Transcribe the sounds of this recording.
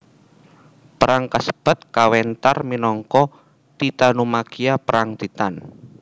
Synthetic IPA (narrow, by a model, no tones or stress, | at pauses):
pəɾaŋkasə̥b̥ə̤t̪̚kawɛnt̪arminɔŋkɔ | t̪it̪anumakiapəɾaŋt̪it̪an